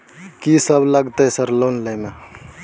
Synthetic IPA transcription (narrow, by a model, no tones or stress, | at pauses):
kisəbləɡt̪eɦsəɾloːnləme